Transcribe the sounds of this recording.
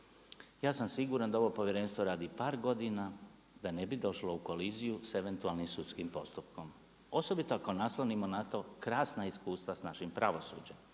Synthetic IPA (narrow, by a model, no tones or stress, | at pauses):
jaːsamsiɡuːɾand̪ao̞ʋo̞po̞ʋjeɾeːnst̪ʋo̞ɾaːd̪ipaːɾɡo̞d̪ina | d̪ane̞bid̪o̞ʃlouko̞lizijuse̞ʋe̞nt̪ualnimsut̪skimpo̞st̪upkom | o̞so̞bit̪oako̞naslˠonimo̞nat̪o̞kɾaːsnaiskuːst̪ʋasnaʃimpɾaʋo̞sṵːd͡ʑem